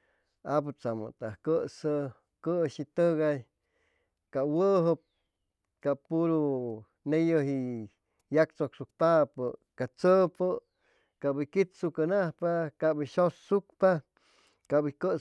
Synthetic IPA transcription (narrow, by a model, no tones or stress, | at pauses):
ap̬ɨt͡samə̰t̪ahkəsə | kəʃit̪əɣaj | kawəɦəp̚ | kapuɾu | nejəɦi | jakt͡soksuk̚t̪apə | kat͡səpə | kabikit̪sukanahpakaʔbiʃossukpa | kabikə